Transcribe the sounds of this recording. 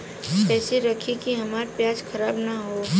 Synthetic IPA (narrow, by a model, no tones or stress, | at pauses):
ɛːseɾɐkʰikiɦɐmaːɾpjaːd͡ʒkʰɐɾaːbnaɦoː